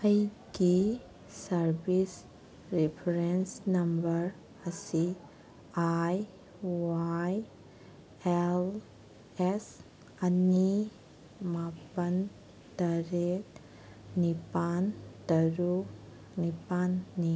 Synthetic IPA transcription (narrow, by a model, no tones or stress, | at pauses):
ɐjɡi | sɐɾbis | ɾipʰɐɾensnɐmbɐɾ | ɐsi | aj | waj | el | es | ɐni | mapɐn | tɐɾek | nipantɐɾu | nipanːi